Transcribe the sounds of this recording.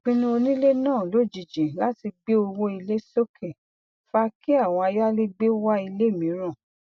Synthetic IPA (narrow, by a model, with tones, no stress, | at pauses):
k͡pĩ˦˧nũ˦o˧nĩ˦le˦nãː˦˨lo˨˦˨d͡ʒi˨d͡ʒĩ˨la˨˦ti˧ɡ͡be˦o˧wo˦i˧le˦so˦kʰe˨ | fa˧ki˦a˦˨w̃ɔ̃˧a˧ja˦le˦ɡ͡be˦wa˦i˧le˦˨mĩ˨˦ɾ̃ã˦˨